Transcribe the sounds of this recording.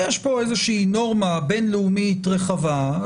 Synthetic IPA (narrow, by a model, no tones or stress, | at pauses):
jeʃpo̞ejzeʃiːno̞ʁmabe̞nleumitʁeχava